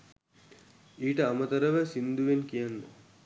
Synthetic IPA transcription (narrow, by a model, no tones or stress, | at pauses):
iːʈəamət̪ɐɾəʋəsind̪uʋenkijanːo